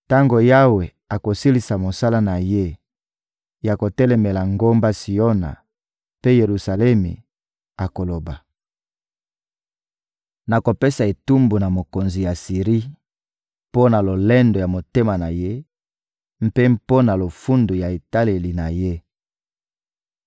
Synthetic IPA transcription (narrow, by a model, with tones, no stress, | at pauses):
ta˦ŋɡo˨ja˦we˨ | a˨ko˨si˦li˨sa˨mo˨sa˦la˦na˨je˦ | ja˨ko˨tɛ˦lɛ˨mɛ˨la˨ŋɡo˦mba˦si˨o˦na̰˨ | pe˦je˨ʁu˨sa˨lɛ˦mḛ˨ | a˨ko˨lo˨ba˨ | na˨ko˨pe˦sa˨e˨tu˦mbu˨na˨mo˨ko˨nzi˨ja˨si˨ʁi˦ | po˦na˨lo˨lɛ˦ndo˨ja˨mo˨te˦ma˨na˨je˦ | m̩˦pe˦mpo˦na˨lo˨fu˦ndu˨ja˨e˨ta˦le˨li˨na˨je˦